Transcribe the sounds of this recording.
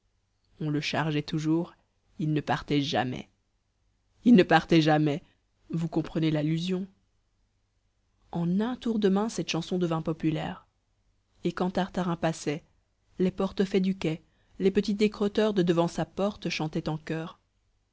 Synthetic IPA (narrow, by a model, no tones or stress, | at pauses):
ɔ̃ləʃaʁʒɛt̪uʒuːʁ | ilnəpaʁt̪ɛʒa̰mɛ̰ | ilnəpaʁt̪ɛʒamɛ | vukɔ̃pχənelalyzjɔ̃ | ɑ̃nɛ̃t̪uʁd̪əmɛ̃sɛt̪ʃɑ̃sɔ̃d̪əvɛ̃pɔpylɛ̰ːʁ | ekɑ̃t̪aʁt̪aʁɛ̃pasɛ | lepɔʁt̪əfɛd̪ykɛ | lepət̪it̪zekχɔt̪œʁd̪əd̪əvɑ̃sapɔʁt̪ʃɑ̃t̪ɛt̪ɑ̃kœːʁ